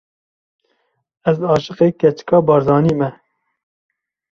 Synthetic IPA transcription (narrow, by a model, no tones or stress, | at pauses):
ɛzɑːʃɨqeːkɛt͡ʃkɑːbɑːɾzɑːniːmɛ